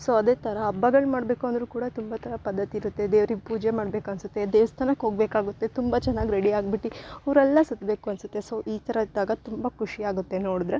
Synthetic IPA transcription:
soːɐd̪eːt̪ʰɐɾɐːbːɐɡɐɭmaːɽbe̞ːkuɐnd̪ɐɾuːkuːɽɐt̪umbat̪ʰɐɾɐpɐd̪ːɐt̪iːɾut̪ːed̪eːʋɾiɡpuːd͡ʒemaːɽbeːkuɐnsut̪ːe̞d̪eːʋɐst̪ʰaːnɐkɦo̞ːɡbeːkaːɡut̪ːe̞t̪umbɐt͡ʃɛnːaːɡiɾeɽiaːɡ̚biʈːiɐʋɾɛlːɐsut̪be̞ːkuɐnsut̪ːeso̞ːʔiːt̪ʰɐɾɐd̪aːɡɐt̪umbɐkʰuʂiaːɡut̪ːe̞noːɽud̪ɾe

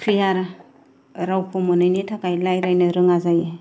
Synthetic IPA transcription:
kʰɾijaɾa | ɾawpʰomɯnɯjnitʰakajlajɾajnɯɾɯŋazaje

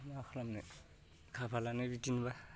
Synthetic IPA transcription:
nakʰlamne | kʰapʰalanebitinba

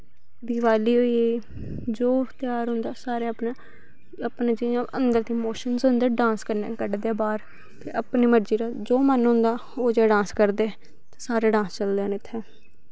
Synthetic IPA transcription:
b̪iʋaːliːɦoːie | d͡ʒoːt̪ɪjaːɾɦʊ̃nd̪aːsaːɾeəpnaː | əpneːd͡ʒɪãʔənd̪əɾd̪iːmoːʃənzʊ̃nd̪əɖãːnskəɾnḛːkəɖd̪eːbaːɾ | t̪ʰeːəpniːməɾd͡ʒiːɾaːd͡ʒoːmənɦõʊ̃ːnd̪aː | oːd͡ʒeːɖãːnskəɾd̪eː | t̪asaːɾeːɖãːst͡ʃəld̪eːnɪt̪ʰːɛː

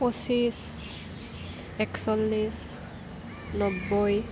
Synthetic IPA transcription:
osis | ɛksɔlːis | nɔbːoj

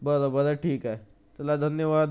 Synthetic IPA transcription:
bəd̪abəd̪aʈʰiːkɦɛː | t̪lad̪ʱɐnjəʋaːd̪

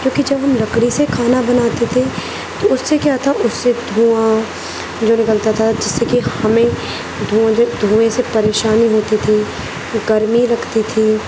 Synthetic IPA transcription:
d͡ʒõːkid͡ʒɐbɦɐmlɐkɽisekʰaːnabɐnaːt̪et̪ʰe | t̪oʊsːekjat̪ʰaʔʊsːed̪ʱũːã | d͡ʒoːnɪkəlt̪at̪ʰad͡ʒɪsːekihɐmẽ | d̪ʱũːãd͡ʒod̪ʱũːẽsepɐɾeːʃaːniɦoːt̪it̪ʰi | ɡɐɾmilɐɡt̪it̪ʰi

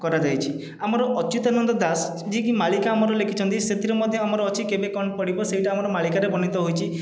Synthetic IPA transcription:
kɔɾad͡ʒajt͡ʃʰi | amɔɾɔʔɔt͡ʃut̪anɔnd̪ɔd̪as | d͡ʒikimalikaːmɔɾɔlekʰit͡ʃʰɔnt̪iset̪iɾɔmɔd̪ʱjɔamɔɾɔːt͡ʃʰikebekɔɳɖpɔɽibɔsejʈaːmɔɾɔmalikaɾebɔnit̪ɔɦojt͡ʃʰi

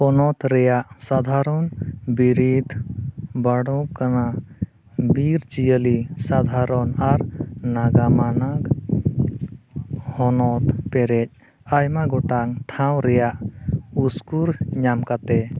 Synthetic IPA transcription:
ɔnɔt̪ɾɛjaʔsad̪ʱaɾɔnbiɾid̪ʱbaɽɔ̃kana | biɾd͡ʒijəlisad̪ʱaɾɔnaɾnaɡamanaɡ | hɔnɔt̪pɛɾɛc̚ | ajmaɡɔʈaŋʈʰãw̃ɾɛjaʔuskuɾɲamkat̪ɛ

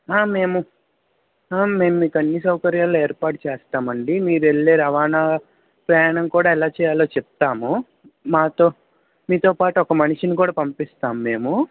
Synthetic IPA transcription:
aːmːe̞ːmu | aːmːe̞ːmumiːkɐnːisɐwkɐɾjaːlːoːeːɾpaːʈt͡ʃeːst̪aːmɐɳɖimiːɾueɭːeːɾɐʋaːnaː | pɾɐjaːɳɐmkuːɽaːɛlaːt͡ʃɛːjaːloːt͡ʃɛp̚t̪aːmu | maːt̪o̞ː | miːt̪oːpaːʈuɔkɐmɐniʂinikuːɽaːpɐmpist̪aːmuːe̞ːmu

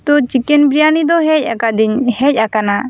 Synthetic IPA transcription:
t̪ut͡ʃikɛnbɾijanid̪ɔɦɛc̚ˀa̰kad̪iɲhɛc̚ˀakana

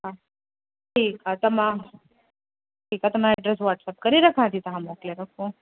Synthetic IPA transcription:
a | ʈʰiːkat̪əmã | ʈʰiːkat̪ɐmaɾɖɾɛs̬ʋaʈsap̚kəɾiɾɐkʰãt̪ʰit̪ɐɦãmokleɾəkʰõ

